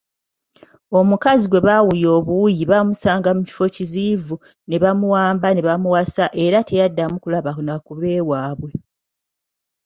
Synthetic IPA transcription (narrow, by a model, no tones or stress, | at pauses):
o̞mukaziɡwe̞βawujo̞ːβuwujiβamusaːŋɡamuci̥fo̞ciziːvu | ne̞βamuwaːmbane̞βamuwasaʔe̞ɾatʰe̞jadːamukulaβanakuβe̞ːwaːβwe̞